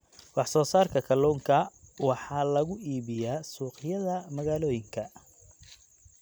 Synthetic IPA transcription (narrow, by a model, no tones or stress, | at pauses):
wɑħsɔːsaːrkʰɐkʰɐlɔːŋkʰɐwɑħɑːlɐɣʊʔiːβɪjaːsuːqjɐðɐmɐɣaːlɔːjɪŋkʰɐ